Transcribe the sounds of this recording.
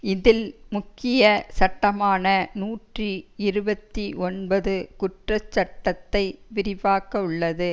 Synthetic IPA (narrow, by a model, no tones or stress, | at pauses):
ɪðɪlmʊkːɪjɐsɐʈːɐmaːnɐnuːʈriɪɾɯbɐt̪ːiʔɔnbɐðɯkʊʈrɐt͡ʃːɐʈːɐt̪ːɐɪʋɪɾɪʋaːkɐɯɭːɐðɯ